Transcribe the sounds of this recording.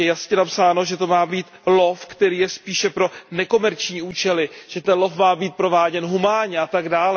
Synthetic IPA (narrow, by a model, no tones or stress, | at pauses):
jɛjasɲɛnapsaːno̞ʒɛt̪o̞maːbiːt̪lofkt̪ɛɾiːjɛspiːʃɛpɾo̞nɛko̞mɛɾt͡ʃɲiːʔuːt͡ʃɛlɪʒ̥ɛt̪ɛnlo̞fmaːbiːt̪̚pɾo̞vaːɟɛnɦumaːɲɛat̪aɡdaːlɛ